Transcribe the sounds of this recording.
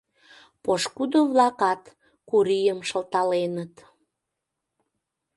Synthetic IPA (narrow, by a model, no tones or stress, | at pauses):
poʃkud̪oβlɑkɑt̪ | kuɾijəmʃəlt̪ɑlenət̪